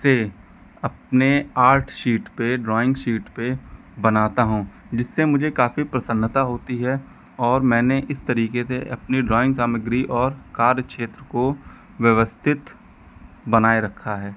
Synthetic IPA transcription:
se | ɐp̚neaːɾʈʰʃiːʈpeɖɾɔːɪ̃ŋɡʃiːʈpe | bɐnaːt̪aɦũː | d͡ʒɪsːemʊd͡ʒʱekaːfipɾɐsə̃nːt̪aɦoːt̪iɦɛ | ɔːɾmɛ̃ːneʔɪst̪ɐɾiːkeseʔɐpniɖɾɔːɪ̃ŋɡsaːməɡɾiʔɔːɾkaːɾjəkʃeːt̪ɾəko | ʋjəʋəst̪ʰɪt̪ | bɐnaːeɾɐkʰːaɦɛː

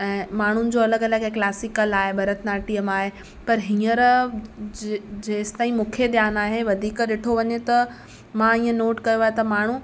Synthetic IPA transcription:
ɛ̃ːmaːɳ̤ʊnɪ̆d͡ʑoːɐləɡɐləɡɦeklaːsikəlaːɦebɐɾət̪naːʈijəmaːɦe | pɐɾɦĩːəɾ | d͡ʑeːst̪aːĩmũːkʰed̪jaːnaːɦeʋɐd̪ʱiːkɗɪʈʰoʋɐɲet̪ɐ | mãĩːə̃noːʈkɐjoʋaːɦet̪ɐmaːɳ̤ũ

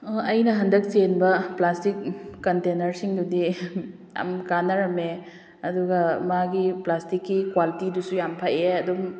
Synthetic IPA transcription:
ɐjnɐɦɐndɐk̚senbɐplastik̚ːɐntenɐɾsiŋdudi | a̰mkanːɐɾɐme | ɐduɡɐmaɡiplastikːikwalitidusujampʰajeɐdum

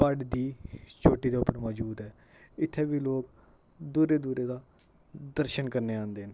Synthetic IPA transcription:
paɖd̪iːt͡ʃʰoːʈːiːd̪eːʊpːəɾmɔːd͡ʒuːd̪ɛː | ɪt̪ʰːeːʋiːloːk | d̪uːɾeːd̪uːɾeːd̪aː | d̪əɾʃənkəɾneːãːnd̪eːɦən

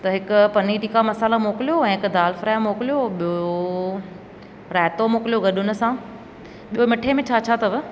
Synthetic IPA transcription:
t̪ɐɦɪkʊpɐniʈiːkamɐsaːlamoːkɪlijoɛ̃ːɦɪkd̪aːlfɾaːmoːkɪlijoɓijo | ɾɛːt̪omoːkɪljoɡɐɗʊnʊ̆sã | ɓijomɪʈʰemẽt͡ɕʰaːt͡ɕʰat̪ɐʋɪ

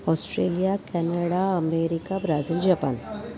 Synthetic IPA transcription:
ɔːsʈɾeːlijakɛːnəɽaɐmeːɾɪkabɾaːzild͡ʒɐpa̰ːn

